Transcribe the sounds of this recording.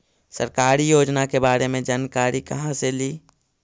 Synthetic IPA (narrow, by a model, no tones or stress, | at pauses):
sə̰ɾkaːɾijoːd͡ʒnakebaːɾemẽd͡ʒaːnkaːɾikɐɦãseliː